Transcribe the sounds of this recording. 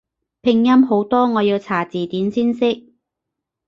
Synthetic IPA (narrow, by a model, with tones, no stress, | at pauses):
pʰɪ˨˧ŋjɐ˥mɦo˨˥wt̪ɔː˥ŋɔː˨˧jiː˧wt͡sʰaː˨˩t͡siː˨t̪iː˨˥nsiː˥nsɪ˥k̚